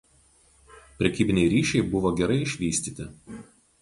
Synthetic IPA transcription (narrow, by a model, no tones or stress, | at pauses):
pʲɾʲɛkʲiːbʲɪnʲɛɪɾʲiːʃʲɛɪbʊʋoːɡʲɛɾɐɪɪʃʲʋʲiːsʲt̪ʲiːt̪ʲɪ